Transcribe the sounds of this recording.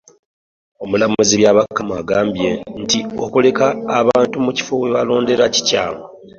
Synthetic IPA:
o̞mulamuziβjaːβakːamaɡaːmbjentio̞kule̞kaːβaːntumuci̥fowe̞βalo̞ːnde̞ɾaci̥ca̰ːŋwa

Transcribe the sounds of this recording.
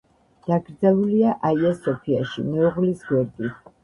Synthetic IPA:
d̪̥aɡɾd̪zɛlˠuliaʔaiasɔpʰiaʃḭmɛuʁlisɡwɛɾd̪i

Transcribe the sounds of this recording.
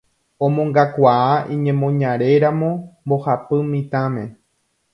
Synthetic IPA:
õmõŋɡakʷaaʔĩɲẽmõ̞ɲãɾe̞ɾãmõ̞mbohapɨmĩt̪ãmẽ̞

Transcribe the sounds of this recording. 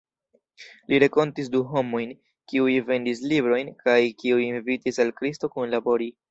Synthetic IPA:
liɾeko̞ntis̬duɦo̞mo̞jn | kiujve̞ndislibɾo̞jnkajkiujinvitisalkɾisto̞kunlabo̞ɾi

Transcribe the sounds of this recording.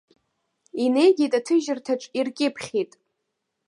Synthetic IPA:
ine̞jɡʲitʼatʰɨʒɪrtʰaʈ͡ʂʼirkʲʼɪpʰχʲitʼ

